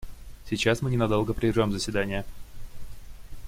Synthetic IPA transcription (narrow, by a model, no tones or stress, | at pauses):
sʲɪt͡ɕasmɨnʲɪnɐd̪o̞lˠɡəpɾʲɪɪʐʲomzəsʲvʲɪd̪anʲɪjə